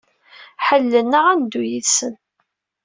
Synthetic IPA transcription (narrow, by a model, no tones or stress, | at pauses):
ħəlːənəʁænd̪ujiθsən